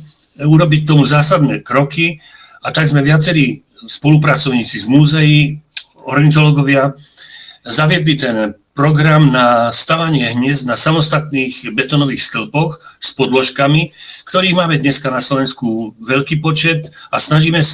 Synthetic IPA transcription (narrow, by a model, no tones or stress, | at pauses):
uɾɔbic̚t̪ɔmuzaːsad̪nɛːkɾɔki | at̪aɡzmɛʋɪat͡sɛɾiː | spɔlupɾat͡sɔʊɲiːt͡sizmuːzɛji | ɔɾɛnt̪̬ɔlɔɡɔʋɪa | zaʋɪɛd̪lit̪ɛnpɾɔɡɾamnast̪aʋaɲɪɛɦɲɪɛznasamɔst̪at̪niːɣbɛt̪ɔnɔʋiːxst̪l̩pɔxspɔd̪lɔʃkamikt̪ɔɾiːɣmaːmɛd̪ɲɛskanaslɔʋɛnskuʋɛʎkiːpɔt͡ʃɛt̪asnaʒiːmɛs